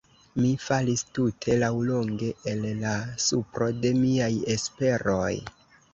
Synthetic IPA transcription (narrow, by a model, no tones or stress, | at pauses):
mifalistutʰe̞lawlo̞ŋɡe̞elːasupɾo̞de̞miaje̞spe̞ɾoj